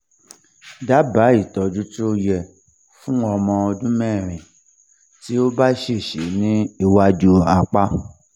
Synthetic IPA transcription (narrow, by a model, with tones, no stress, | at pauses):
da˨˦ba˨˦i˦˨tɔ˨d͡ʒu˦tu˦o˧jɛ˧ | fũ˦ɔ˧mɔ̃˧ɔ˧dũ˦mɛ̃˦˨ɾ̃ĩ˨ | ti˦o˦ba˦ʃe˦˨ʃe˨˦nĩ˦i˧wa˧d͡ʒu˧˦a˧k͡pa˦